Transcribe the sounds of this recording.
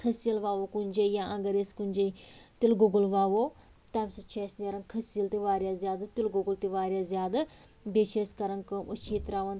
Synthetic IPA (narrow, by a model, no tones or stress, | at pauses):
kʰɐsijəlʋaːʋokunʲd͡ʒejãːʔɐɡɐɾeskunʲd͡ʒeit̪ɪlɡuɡəlʋaːʋo | t̪ɐmsit͡ʃʰeːsneɾɐnkʰɐsiəlt̪iʋaːɾjaːzjaːd̪at̪ɪlɡʊɡəlt̪iʋaːɾʲjaːzjaːd̪a | beʃʰeskɐɾɐnkəmʔut͡ʃʰeːt̪ɾaːʋɐn